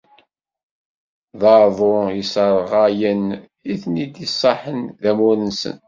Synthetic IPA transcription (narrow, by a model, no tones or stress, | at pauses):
ðɑɾðˤoisəɾˤʁajən | iθnid̪isˤːɑħənðæmuɾənsə̰n